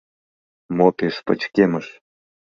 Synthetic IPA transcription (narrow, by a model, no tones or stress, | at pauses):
mopʲeʂpə̰̆t͡ɕkʲeməʂ